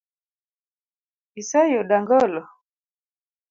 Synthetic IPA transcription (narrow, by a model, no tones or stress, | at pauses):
isajɔɗaŋɡɔlɔ